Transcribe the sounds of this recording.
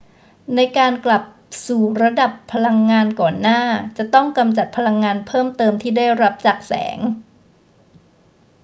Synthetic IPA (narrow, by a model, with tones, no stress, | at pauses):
na˧jkaː˧nkla˨˩p̚ | suː˨˩ɾa˧da˨˩pʰːa˧la˧ŋːaː˧nkɔː˨˩nːaː˥˩t͡ɕa˨˩t̪ɔ˥˩ŋka˧mt͡ɕa˨˩t̪̚pʰa˧la˧ŋːaː˧npʰɤː˥˩mt̪ɤː˧mt̪ʰiː˥˩da˥˩jɾa˦˥p̚t͡ɕaː˨˩k̚sɛ̰ː˩˦ŋ